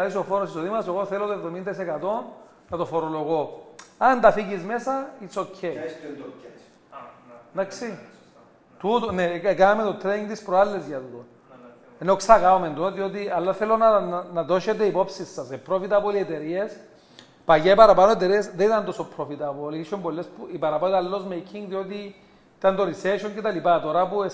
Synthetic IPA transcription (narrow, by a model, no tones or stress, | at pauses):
ðisofoɾosisoðimɐseɣoθelot̪oevðomind̪ɐisekat̪o̞n | nɐt̪ofoɾoloɣoɐnd̪ɐfiʝizmesɐit͡socʰːe | d̪aksi | t̪ut̪oneekanɐmet̪ot̪ɾeniŋɡt̪ispɾoalːezʝɐt̪ut̪on | enoksaɣaomend̪oðiot̪ialːaθelonanaðoʃet̪eipopsisːɐsepːɾofit̪apoliet̪eɾies | pajaipaɾapanoet̪eɾiesðit̪and̪osopɾofit̪apoliʃombolːespuipaɾapat̪alːozmekʰiŋɡðiot̪i | it̪and̪oɾiseʃoŋcet̪alipat̪oɾapue